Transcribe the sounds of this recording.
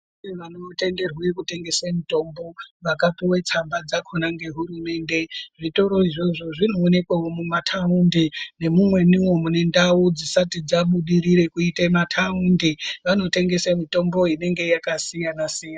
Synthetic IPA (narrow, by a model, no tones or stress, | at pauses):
iʋanote̞nde̞rwekute̞ŋɡe̞samito̞mbo̞ʋakatiwe̞t͡sambad͡zakʰonaŋɡe̞ɦurume̞ːnde̞ʐito̞ɾo̞iʐo̞ʐo̞ʐino̞ːne̞kwaomumatʰaundine̞mumwe̞niwo̞mone̞ndawud͡zisatid͡zaɓuɗiɾiɾe̞kuitematʰaundiʋano̞te̞ŋɡe̞samito̞mbo̞ine̞ŋɡe̞jakasijanasija